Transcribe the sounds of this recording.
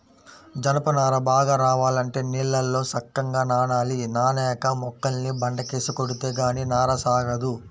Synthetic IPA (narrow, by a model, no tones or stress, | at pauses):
d͡ʒɐnɐpɐnaːɾɐbaːɡaːɾaːʋaːlɐɳʈe̞ːnilːɐlːo̞ːsɐkːɐŋɡaːnaːnaːlinaːnɛːkɐmɔkːɐlnːibɐɳɖɐkeːsukoɽut̪eːɡaːninaːɾɐsaːɡɐd̪u